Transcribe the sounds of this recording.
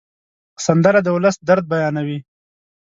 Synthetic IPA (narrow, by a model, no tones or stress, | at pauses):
sand̪əɾad̪əwʊləsd̪aɾd̪̚bajɑnawi